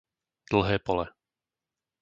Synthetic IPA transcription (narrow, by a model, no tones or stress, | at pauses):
d̪̥l̩ˠɦɛːpɔlɛ